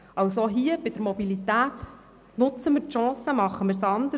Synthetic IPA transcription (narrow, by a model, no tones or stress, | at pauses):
ɑwsoɦiːəb̥ɪd̪əɾmɔbilit̪æːt | nʊt͡səməɾʃɑ̃ːsəmɑχːəməɾsɑnd̪ə